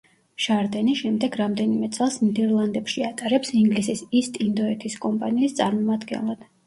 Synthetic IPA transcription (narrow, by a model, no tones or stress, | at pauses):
ʃaɾd̪ɛniʃɛmd̪ɛɡɾamd̪ɛnimɛt̪sʼɛlˠsnid̪ɛɾlˠand̪ɛpʃiat̪ʼaɾɛpsiŋɡlisisist̪ʼind̪ɔɛt̪ʰiskʼɔmpʼaniːst̪sʼaɾmɔmad̪ɡɛ̰nlˠad̪̥